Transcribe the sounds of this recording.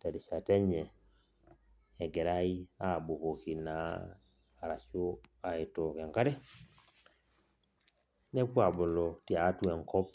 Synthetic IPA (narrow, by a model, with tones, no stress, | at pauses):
tɛ˨ɾi˨ʃa˨tɛ˦ɲɛ˨ | ɡɛ˨ɾa˦i˦a˦˨bo˨ko˨ki˨naː˨ | ɾa˨ʃo˦a˨e˨to˨kɛ˨ŋka˦ɾe˦ | ne˦kwa˨bo˨lɔ˨ti˨a˨˦twɛ˨ŋkɔ˦p